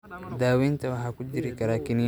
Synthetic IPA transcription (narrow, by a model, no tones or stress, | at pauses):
d̪aːwint̪awaɦakud͡ʒiɾikaɾakini